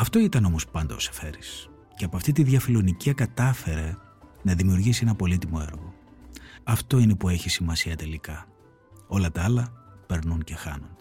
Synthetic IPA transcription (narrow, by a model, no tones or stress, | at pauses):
ɐft̪o̞it̪ɐno̞mo̞spɐnd̪ɐ̰ose̞̥fe̞ɾis | ceɐpoɐft̪it̪iðʝɐfilo̞niciɐkɐt̪ɐfe̞ɾe̞ | nɐðimiuɾʝisie̞nɐpo̞lit̪imo̞e̞̰ɾɣo̞ | ɐft̪o̞ine̞pue̞çisimɐsiɐt̪e̞likɐ | o̞lɐt̪ɐɐlɐpe̞ɾnunce̞xɐ̰nun